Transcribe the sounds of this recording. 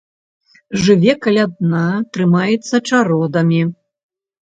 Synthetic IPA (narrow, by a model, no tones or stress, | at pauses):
ʐɨvʲɛkɐlʲad̪̚nat̪ɾɨmajɛt̪sːɐt͡ʂaɾɔd̪ɐmʲi